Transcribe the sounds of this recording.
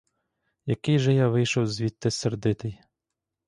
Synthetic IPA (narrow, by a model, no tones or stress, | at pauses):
jɐkɪjʒɛjaʋɪjʃɔwzʋʲit̪ːɪserd̪ɪt̪ɪj